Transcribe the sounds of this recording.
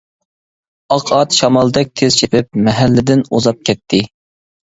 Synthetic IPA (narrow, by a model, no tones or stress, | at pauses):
ɑqʰɑt̪ʃɑmɑlˠd̪ɛk̚ʲt̪ʰez̥t͡ʃʰepʰɪp̚mɛɦælːɪd̪ɪnozɑp̚kʲʰɛt̪ʰːɪ